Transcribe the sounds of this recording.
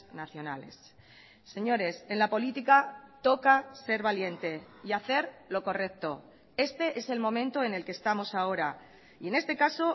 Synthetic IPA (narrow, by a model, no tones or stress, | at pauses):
naθjo̞na̰le̞̰sː | e̞ɲo̞ɾe̞se̞nlapo̞lit̪ikat̪o̞kase̞ɾβalje̞nt̪e̞ | iaθe̞ɾlo̞ko̞re̞k̚t̪o̞ | e̞st̪e̞ʔe̞se̞lmõ̞mẽ̞nt̪o̞e̞ne̞lkest̪amo̞sao̞ɾa | ie̞ne̞st̪e̞kaso̞